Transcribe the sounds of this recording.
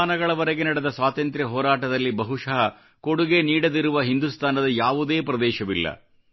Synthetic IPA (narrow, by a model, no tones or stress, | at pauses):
aːnɐɡɐɭɐʋɐɾɐɡenɐɽed̪ɐsʋaːt̪ɐnt̪ɾjɐɦɔːɾaːʈɐd̪ɐlːibɐɦuʂɐɦɐ | koɽuɡe̞niːɽɐd̪iɾuʋɐɦind̪ust̪ʰaːnɐd̪ɐjaːʋud̪e̞ːpɾɐd̪ɛːʃɐʋilːɐ̰